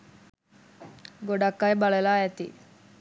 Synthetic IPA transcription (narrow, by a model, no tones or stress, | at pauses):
ɡoɖakːajbaɭelaːɛt̪ḭ